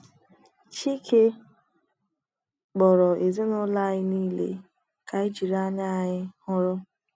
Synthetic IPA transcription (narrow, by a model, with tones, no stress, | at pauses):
t͡ʃi˦ke˦ | ɡ͡bɔ˨ɾɔ˨e˨ze˦nʊ˦la˦ɣɪ˦niː˦lḛ˦ | ka˨ɪ˦d͡ʒi˨ɾa˦ɲa˦˨ɲɪ˦hʊ˦ɾʊ˦